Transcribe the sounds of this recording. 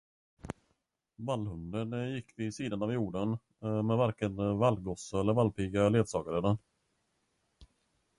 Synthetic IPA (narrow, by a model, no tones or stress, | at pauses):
valːhɵnd̪ənjɪkːvɪːsiːd̪anavjuːɖən | mɛvæɾkənvalɡɔsəɛlːəɾvalpʰiɡaleːd̪sɑːɡaɾəd̪ən